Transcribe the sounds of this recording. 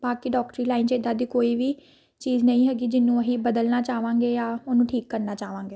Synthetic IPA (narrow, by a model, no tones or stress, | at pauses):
b̥aːkiɖɔːkʈɾiːlaːint͡ʃeːd̪aːd̪iːkoːiːʋiː | t͡ʃiːd͡ʒnəĩːɦɛːɡiːd͡ʒɪnːũːəɦiːbəd̪əlnaːt͡ʃaːʋãːŋɡeːjaːʊnũːʈʰiːkːəɾnaːt͡ʃaːʋãːŋɡeː